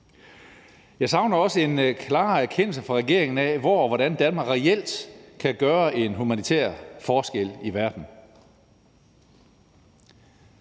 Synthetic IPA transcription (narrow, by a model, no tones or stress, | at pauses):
jɑ̈ɪsɑ̈ʊnɐɒ̽səe̝nkʰlɑ̈ːæɐkʰen̰l̩səfʁɑ̈ʁɛɡ̥e̝ɐ̰e̝ŋn̩æʋɒːʋɒɾ̥ænd̥ænmɑ̈ːɡʁɛel̰d̥kʰæɡ̥ɶːɐʔe̝nɦumænit͡sʰḛːɐ̰fɒːsɡ̥el̰iʋæɐd̥n̩